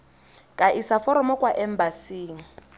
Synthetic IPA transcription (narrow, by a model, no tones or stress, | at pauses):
kʼaʔisafɔɾɔmɔkʼwaʔɛmbasiːŋ̩